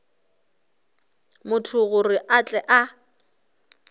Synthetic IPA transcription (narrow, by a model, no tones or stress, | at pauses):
mʊtʰʊɣʊrɪʔat͡ɬʼɛʔa